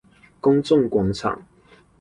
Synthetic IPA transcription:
kʊ˥ŋt͡sʊ˥˨ŋkwɑ˨˥ŋt͡sʰɑ̰˨˩˦ŋ

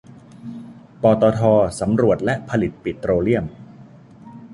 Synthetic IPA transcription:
pɔː˧t̪ɔː˧t̪ʰɔː˧sa˩˦mɾu˨˩ət̪̚lɛ˦˥ʔpʰa˧li˨˩t̪̚pi˨˩t̪ːɾoː˧li˥˩əm

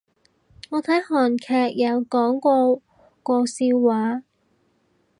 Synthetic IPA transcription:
ŋɔː˨˧t̪ʰɐ˨˥jhɔː˨˩nkʰɛː˧k̚jɐ˨˧wkɔː˨˥ŋkʷɔː˧ | kɔː˧siː˧wwaː˨˥

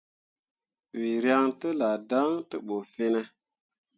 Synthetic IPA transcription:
wi˨ɾja˦ŋtə˦la˨da˦ŋtə˦ɓo˨fi˦ne˦

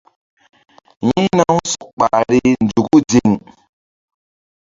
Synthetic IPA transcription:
ji˦na˦wsɔ˨k̚ɓa˨ɾi˦nd͡ʒu˨ku˦d͡ʒi˨ŋ˨

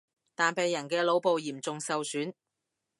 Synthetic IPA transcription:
t̪aː˨npe˨˧jːɐ˨˩nkɛː˧lo˨˥wpo˨˧wjiː˨˩mt͡sʊ˨ŋsɐ˨wsyː˨˥n

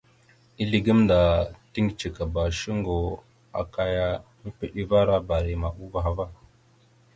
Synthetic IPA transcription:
i˦li˨ɡə˦mnda˨ti˦ŋɡt͡ʃi˨ka˨ba˨ʃi˦ŋɡo˨ | a̰˨ka˨ja˦mə˦pi˨ɗi˦va˦ɾa˦ba˨ɾi˨ma˨ʔu˦va˨ɦa˨va˦

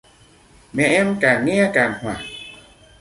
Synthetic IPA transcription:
mɛ˨ʔɛ˦mka˨ŋɛ˦a˦ka˨nhwa˨

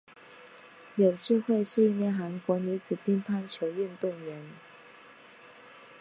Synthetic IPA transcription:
jo˨˩ʊʈ͡ʂɻ̩˥˧xwe˥˧ɪsu˥˧˩njɛ˥˩nxa˧˥nkwɔ˧˥ny˧˥t͡sʰɹ̩˨˩pi˥npʰa˥˧nt͡ɕʰjo˧˥ʊy˥˧nt̪ʊ˥˩ŋɥɛ˧˥n

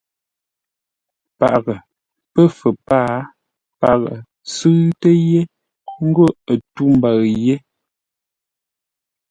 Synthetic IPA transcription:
pa˨ʔɣə˨ | pə˦fə˨paː˦ | pa˨ʔɣə̰˨ | sɨ˦ɣtə˦je˦ | ŋ̩˦ɡo˦˨ə˨tu˦m̩˨ba˨ɣje˦

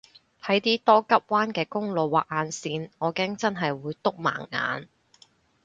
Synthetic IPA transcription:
t̪ʰɐ˨˥jt̪iː˥t̪ɔː˥kɐ˥p̚waː˥nkɛː˧kʊ˥ŋlo˨wːaː˨k̚aː˨˧nsiː˧nŋɔː˨˧kɛː˥ŋt͡sɐ˥nɦɐ˨jwuː˨˧jt̪ʊ˥k̚ma̰ː˨˩ŋːa̰ː˨˧n

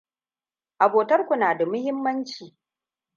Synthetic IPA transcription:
ʔa˨boː˨tɐ˦rkʷʊ˨naː˨da˨mʊ˦hɪ˦mːɐ˦nt͡ʃiː˨

